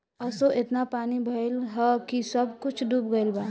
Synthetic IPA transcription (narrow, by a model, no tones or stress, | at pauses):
ɐsoʔɪt̪napaːnibʱɐɪlɦəkisɐb̚kʊt͡ʃʰd̪ub̚ɡɐɪlbaː